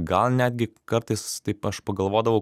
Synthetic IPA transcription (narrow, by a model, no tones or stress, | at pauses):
ɡɐlˠnʲæːd̪ʲɡʲɪkɐɾt̪ɐɪst̪ɐɪpɐʃpɐɡɐlˠʋoːd̪ɐʋɐʊ